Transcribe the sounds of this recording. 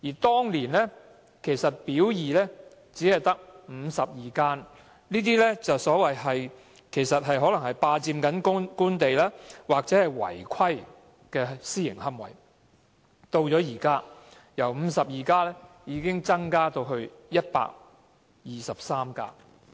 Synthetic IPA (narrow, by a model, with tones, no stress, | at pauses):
jiː˨˩t̪ɔː˥ŋliː˨˩nlɛ˥ | kʰe˨˩jsɐ˨t̚piː˨˥wjiː˨lɛː˥ | t͡siː˨˥hɐ˨jt̪ɐ˥k̚m̩˨˧sɐ˨p̚jiː˨kaː˥n | niː˥t̪iː˥lɛ˥t͡sɐ˨wsɔː˨˥wɐ˨jɦɐ˨j | kʰe˨˩jsɐ˨t̚ɦɐ˨jɦɔː˨˥lɐ˨˩ŋhɐ˨jpaː˧t͡siː˧mkɐ˨˥nkkuː˥nt̪e˨jlaː˥waː˨k̚t͡sɛ˨˥hɐ˨˩jwɐ̰˨˩jkʰɐ˥j | kɛː˧siː˥jɪ̰˨˩ŋɦɐ˥mwɐ̰˨˩j | t̪o˧wt͡sɔː˨˥jiː˨˩kaː˥ | jɐ˨˩wm̩˨˧sɐ˨p̚jiː˨kaː˥lɛː˥ | jiː˨˧kɪ˥ŋt͡sɐ˥ŋkaː˥t̪o˧wɦɵ˧ɥjɐ˥t̚pa̰ː˧k̚ | jiː˨sɐ˨p̚saː˥mka̰ː˧